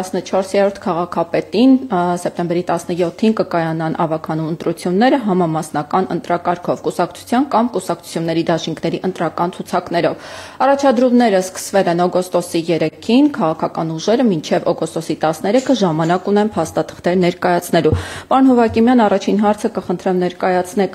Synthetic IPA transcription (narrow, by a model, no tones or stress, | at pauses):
snət͡ʃʰɔɾsjɛɾɔɾt̪ʰkʰɑʁɑkʰɑpɛt̪insɛp̚t̪ɛmbɛɾit̪ɑsnəjɔt̪ʰːinkəkɑjɑnɑnʔɑ̰vɑkʰɑnumənt̪ɾut͡sʰjunːɛɾəɦɑmɑmɑsnɑkɑnə̰nt̪ɾɑkɑɾkʰɔvkusɑk̚t͡sʰu̥t͡sʰjɑnkɑmkusɑk̚t͡sʰu̥t͡sʰjunːɛɾid̪ɑʃiŋkʰnɛɾiʔənt̪ɾɑkɑnt͡sʰut͡sʰɑknɛɾɔvɑrɑt͡ʃʰɑd̪ɾumnɛɾəskə̥svɛlɛnɔɡɔst̪ɔsijɛɾɛkʰinkʰɑʁɑkʰɑkɑnuʒɛɾəmint͡ʃʰɛvɔɡɔst̪ɔsit̪ɑsnɛɾɛkʰəʒɑmɑnɑkunɛnpʰɑst̪ɑt̪ʰə̥χt̪ɛɾnɛɾkɑjɑt͡sʰnɛlupɑɾunɦɔvɑkimjɑnɑrɑt͡ʃʰinɦɑɾt͡sʰəkəχənt̪ʰɾɛmnɛɾkɑjɑt͡sʰnɛk